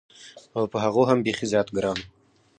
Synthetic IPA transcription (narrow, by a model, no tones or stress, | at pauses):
awpəɦaʁoɦambeχizjɑːt̪ɡəɾɑn